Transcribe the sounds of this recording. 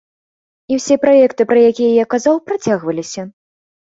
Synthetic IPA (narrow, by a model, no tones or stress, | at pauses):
iwsʲɛpɾajɛkt̪ɨpɾɐjakʲijɐjakːazawpɾat͡sʲaɣvɐlʲisʲɐ